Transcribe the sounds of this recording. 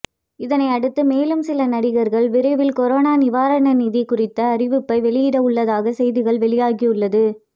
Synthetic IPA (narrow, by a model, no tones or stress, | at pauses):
ɪðɐnɐɪɐɽɯt̪ːɯmeːlɯmsɪlɐnɐɽɪɣɐɾɣɐɭʋɪɾɐɪʋɪlkɔɾoːnaːnɪʋaːɾɐɳɐniːðikʊrɪt̪ːɐːɾɪʋɯpːɐɪʋɛɭɪjɪɽɐʊɭːɐðaːɣɐsɛjðɪɣɐɭʋɛɭɪjaːɣiɯɭːɐðɯ